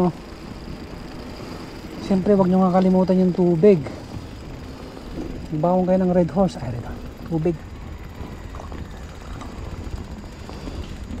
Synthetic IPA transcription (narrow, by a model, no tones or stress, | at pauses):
o | ʃɛmpɾɛwɐɡ̚ɲoŋakɐlɪmuːt̪anjʊŋt̪uːbɪɡ | baːʔoŋkɐjonɐŋɾɛd̪ɦolsa̰ɾɛd̪at̪uːbɪɡ̚